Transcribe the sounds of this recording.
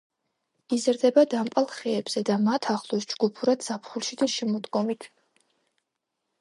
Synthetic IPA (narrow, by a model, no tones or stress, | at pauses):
izɾd̪ɛbad̪ampʼalˠχɛːbz̥ɛd̪amat̪ʰaχlˠɔsd͡ʒɡupʰuɾad̪z̥apʰχulˠʃid̪aʃɛmɔd̪ɡɔmit̪ʰ